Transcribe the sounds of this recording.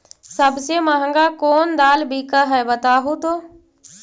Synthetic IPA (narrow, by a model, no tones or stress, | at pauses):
sɐbʱsemaɦə̃ŋɡakoːnd̪aːlbʱikəɦɛbɐt̪aːɦut̪oː